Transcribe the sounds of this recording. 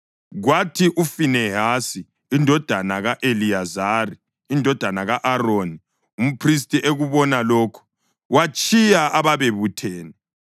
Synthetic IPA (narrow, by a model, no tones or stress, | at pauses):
ɣwatʰiʔufinɛɦasiː | ndʱɔd̥ʱanaɣaʔeliazariː | ndʱɔd̥ʱanaɣaʔaroːni | um̩pʰris̬tʼiʔeɣuβɔnaloːkʰu̥ | wat͡ʃʼijaʔaβaβeβutʰɛːnɛ